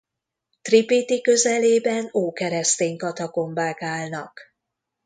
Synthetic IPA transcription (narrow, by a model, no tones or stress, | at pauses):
t̪ripit̪ikø̞zɛleːbɛnoːkɛɾɛst̪eːŋkɒt̪ɒko̞mbaːkaːlnɒ̰k